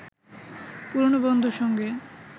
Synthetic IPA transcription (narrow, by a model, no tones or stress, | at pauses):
puɾnobond̪ʱuʃɔŋɡe